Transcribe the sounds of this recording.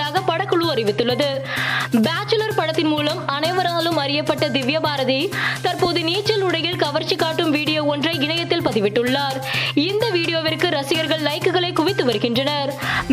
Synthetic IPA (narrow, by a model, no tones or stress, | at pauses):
aːɣɐpɐɽɐkːɯɭɯɐɾɪʋɪt̪ːɯɭːɐðɯbaːt͡ʃːɯlɐɾpɐɽɐt̪ːɪnmuːlɐmɐnɐɪʋɐɾaːlɯmɐɾɪjɐpːɐʈːɐd̪ɪʋjɐbaːɾɐðit̪ɐɾpoːðɯniːt͡ʃːɐlɯɽɐjɪlkɐʋɐɾt͡ʃːɪkːaːʈːɯmʋiːɽɪjoːɔndrɐɪɪɳɐjɐt̪ːɪlpɐðɪʋɪʈːɯɭːaːɾɪnd̪ɐʋiːɽɪjoːʋɪrkɯɾɐsɪjɐɾɣɐɭːɐɪkɯɣɐɭɐɪkʊʋɪt̪ːɯʋɐɾɯɣɪndrɐnɐɾ